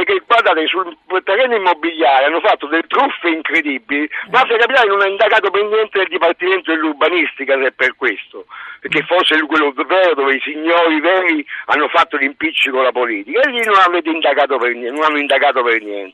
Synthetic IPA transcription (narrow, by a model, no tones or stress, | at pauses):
peɾkːeɡward̪aːt̪esulpt̪ɛrːɛnːoimːobːiljaːɾianːʊfat̪ːod̪elːet̪ɾufːeiŋkɾed̪ibːilimaafːiakapit̪aːɾenʊnaind̪akaːt̪̬opernjɛnt̪eneld̪ipart̪iment̪oilːurbanist̪ikasɛpːerkwest̪opeɾkːefɔrsɪlkwelːovɛːɾod̪oːveisiɲːɔːɾivɛːɾianːʊfat̪ːolimpit͡ʃːikolapoliːt̪ikaelːinonavɛːt̪̬eind̪akaːt̪̬opernɛnʊnanːoind̪akaːt̪opernjɛ̰nt̪e̥